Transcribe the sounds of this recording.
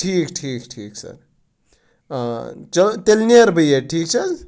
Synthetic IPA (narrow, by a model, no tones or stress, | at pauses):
ʈʰiːkʈʰiːkʈʰiːksɐ̰ɾ | t͡ʃɐt̪elnieɾbʱəjeʈʰiːkt͡ʃʰɐz